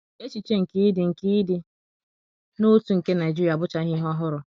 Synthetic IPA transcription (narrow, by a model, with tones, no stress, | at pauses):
e˦t͡ʃi˨t͡ʃe˦ŋ̩˨ki˦i˦dɪ˨ŋ̩˨ki˦dɪ˨ | no˦tu˨ŋ̩˨ke˦na˨e˨d͡ʒu˦ja˨bʊ˦t͡ʃa˦ɦɪ˦ɦɔ˦ɦʊ˦ɾʊ˨